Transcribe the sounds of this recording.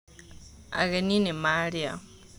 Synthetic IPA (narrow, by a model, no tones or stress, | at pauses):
a̰ɣeninimaɾia̰